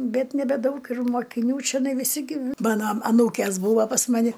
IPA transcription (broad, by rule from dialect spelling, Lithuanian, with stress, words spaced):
ˈbʲɛt nʲɛbʲɛˈdɐʊk ɪr moːkʲɪˈnʲuː t͡ʃʲɛˈnɐɪ ʋʲɪˈsʲɪ ɡʲɪ ˈmɑːnoː ɐˈnuːkʲeːs ˈbuːʋɐ pɐs ˈmɑːnʲɪ